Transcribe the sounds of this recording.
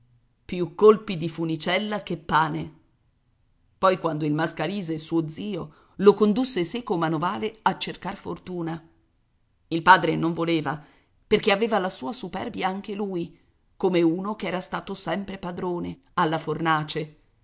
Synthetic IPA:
pjukːolpid̪ifunit͡ʃɛlːak̟epːaːne | pɔjkwand̪oilmaskaliːzesuːod̪ziːo | lokond̪usːesekomanovaːleat͡ʃːerkarfort̪uːna | ilpaːd̪ɾenoɱvoleːva | perkeaveːvalasuːasupɛ̰rbjaaŋk̟eluːj | komeuːnokeɛːɾast̪aːt̪osɛmpɾepad̪ɾoːne | alːafornaːt͡ʃe

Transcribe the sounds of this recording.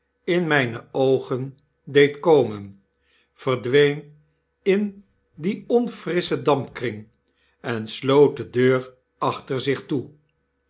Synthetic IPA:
ɪnmɛjnəowχən | dejtkowmən | v̥ərdʋejn | ɪn | diɔnfrɪsədɑmpkrɪŋ | ɛnslowt̚dədøːr | ɑχtəɹzɪχtu

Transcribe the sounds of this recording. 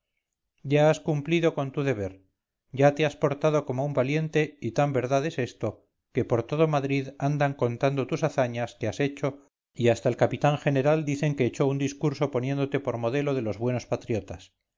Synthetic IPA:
ɟ͡ʝaaskumpliðo̞ko̞nt̪uðe̞β̞e̞ɾ | ɟ͡ʝat̪e̞aspo̞ɾt̪aðo̞ko̞moumbalje̞nt̪e̞it̪ambe̞ɾðaðe̞se̞st̪o̞ | ke̞po̞ɾt̪o̞ð̞o̞maðɾiðand̪aŋko̞nt̪and̪ot̪usaθaɲaske̞ase̞t͡ʃo̞ | iast̪aelkapit̪aŋxe̞ne̞ɾald̪iθe̞ŋke̞ːt͡ʃo̞und̪iskuɾso̞po̞njẽ̞nd̪o̞t̪e̞po̞ɾmo̞ð̞e̞lo̞ð̞elo̞zβwe̞nospat̪ɾjo̞t̪as

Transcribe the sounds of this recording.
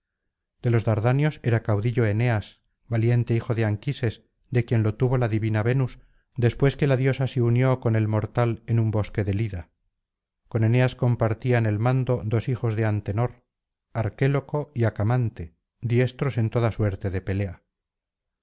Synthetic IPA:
d̪̥e̞lo̞zðaɾðanjo̞se̞ɾakawðiʎo̞e̞ne̞as | βalje̞nt̪e̞ixo̞ðeaŋkise̞s | d̪e̞kje̞nlo̞t̪uβo̞laðiβinaβe̞nus | d̪e̞spwe̞ske̞laðjo̞saseunjo̞ko̞ne̞lmo̞ɾt̪alenumbo̞ske̞ðe̞liða | ko̞ne̞ne̞asko̞mpaɾt̪iaene̞lmãnd̪o̞d̪o̞sixo̞zðe̞ant̪e̞no̞ɾ | aɾke̞lo̞ko̞iakamant̪e̞ | d̪je̞st̪ɾo̞se̞nt̪o̞ðaswe̞ɾt̪e̞ðe̞pe̞le̞a

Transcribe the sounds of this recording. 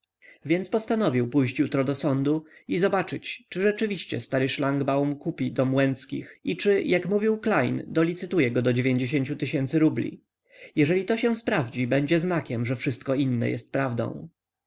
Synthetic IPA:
vʲjɛnt̪spɔst̪anɔvʲiwpujɕt͡ɕjut̪ɾɔd̪ɔsɔnd̪uizɔbat͡ʂɘt͡ɕt͡ʂɘʐɛt͡ʂɘvʲiɕt͡ɕɛ̰st̪aɾɘʂlaŋɡbawumkupʲid̪ɔmwɛnt̪skʲḭxit͡ʂɘjʔakmuvʲiwklajnd̪ɔlʲit̪sɘt̪ujɛɡɔd̪ɔd͡ʑevʲjeɲd͡ʑeɕ̬eɲt͡ɕut̪ɘɕɛnt̪sɘɾublʲḭ | jɛʐɛlʲit̪ɔɕɛw̃spɾavd͡ʑibɛɲd͡ʑɛznakʲɛmʐɛfʂɘst̪̚kɔinːɛ̰jɛ̰st̪̚pɾavd̪ɔ̰̃w̃

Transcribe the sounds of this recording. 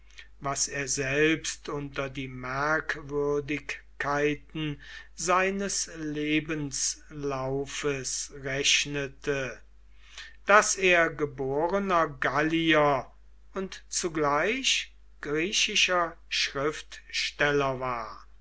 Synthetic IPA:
vaseːɐzɛlpstʔʊntɐdiːmæɐkvʏɐdɪkkʰːaɪtn̩zaɪnəsleːbənslaʊfəsʁɛɕnətʰə | d̥aseːɐɡəboːʁənɐɡaliɐ | ʊntt͡suɡlaɪɕ | ɡ̥ʁiːɕɪʃɐʃʁɪftʃtɛlɐvaːɐ

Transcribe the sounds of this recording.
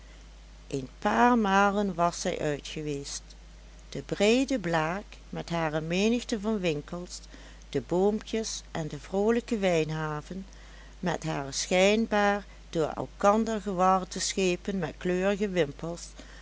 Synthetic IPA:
ʔenpaːɹmaːlənʋɑsːɛ̰jʔœɥtχəʋeːst | d̥əbrejdəblaːk | mɛtɦaːrəmeːnəxtəvɑnʋɪŋkəlˠs | d̥əboːmpjəsʔɛndəvrowləkəʋɛjnɦaːvən | mɛtɦaːrəsxɛjnbaːɹ | d̥ʊːɹɛ̰lˠkɑndəɹɣəʋɑrdəsxeːpənmɛtkløːrəɣəʋɪmpəlˠs

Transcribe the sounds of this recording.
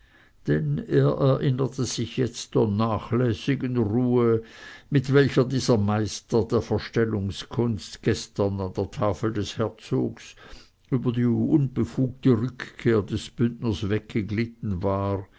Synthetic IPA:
d̥ɛneːɐʔɛɐʔɪnətəz̥ɪçjɛt͡std̥eːɐnaːχlɛːsɪɡənʁuːəmɪtv̥ɛlçɐdiːzɐmaɪstɐd̥eːɐfɛɐʃtɛlʊŋskʰʊnstɡ̥ɛstɐnand̥eːɐtʰaːfl̩dɛshɛɐt͡soːɡs | yːbɐdiːʊnb̥əfuːk̚təʁʏkkʰːeːɐdɛsb̥ʏndnəsvɛk̚ɡ̥əɡlɪtn̩vaːʁ

